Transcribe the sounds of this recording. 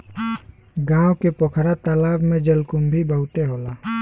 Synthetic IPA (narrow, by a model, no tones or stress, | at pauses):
ɡãːwkepokʰɾat̪alaːbmẽd͡ʒəlkʊmbʱibəʊt̪eɦoːlaː